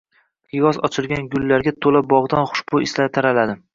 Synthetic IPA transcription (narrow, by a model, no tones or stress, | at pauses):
pɪjɒzɒ̰t͡ʃʰɪlˠɡʲanɡʊlːaɾɡʲat̪ʰolabɒʁd̪anχʊ̥ʃbʊɪslat̪ʰaɾalad̪ɪ